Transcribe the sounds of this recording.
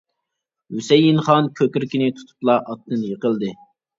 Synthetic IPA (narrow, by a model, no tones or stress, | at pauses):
hysɛjːinχɑnkʲʰøkʲyɾkʲinɪt̪ʰu̥t̪ʰu̥plˠɑʔɑt̪ʰːɨnjəqəlˠd̪ɨ